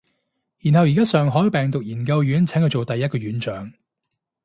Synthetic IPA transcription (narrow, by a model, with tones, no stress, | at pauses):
ji˨˩nɦɐ˨wjiː˨˩kaː˥sœː˨ŋɦɔː˨˥jwpɛː˨˩ŋt̪ʊ˨k̚jiː˨˩nkɐ˧wjyː˨˥nt͡sʰɛː˨˥ŋkə˧wt͡ʃo˨wt̪ɐ˨jːɐ˥t̚kɔː˧ɥyː˨˥nt͡ʃœː˨˥ŋ